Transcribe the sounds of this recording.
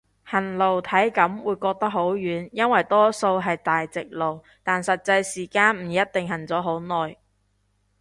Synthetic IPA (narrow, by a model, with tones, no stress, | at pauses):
hɐ˨˩nlo˨˩wt̪ʰɐ˨˥jkɐ˨˥mwuː˨˧jkɔː˧k̚t̪ɐ˥k̚ho˨˥wjyː˨˥njɐ˥nwɐ˨jt̪ɔː˥so˧wɦɐ˨jt̪aː˨jt͡sɪ˨k̚lo˨w | t̪aː˨nsɐ˨t̚t͡sɐ˧jsiː˨˩kaː˥nm̩˨˩jɐ˥t̚t̪ɪ˨ŋɦɐ˨˩nt͡sɔː˨˥ɦo˨˥wnɔː˨j